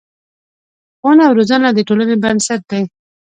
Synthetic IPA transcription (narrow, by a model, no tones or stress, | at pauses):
onawɾozanlad̪əʈolənebansat̪̚d̪ej